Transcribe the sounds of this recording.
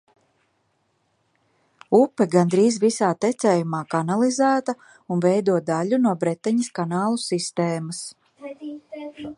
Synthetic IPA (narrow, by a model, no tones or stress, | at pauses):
upːɛɡand̪ɾiːzvisaːt̪ɛt̪sɛːjumaːkanalˠizæːt̪ɐ | unvɛjd̪uɔd̪aʎunuɔbɾɛt̪ːɛɲɐskanaːlˠusist̪eːmas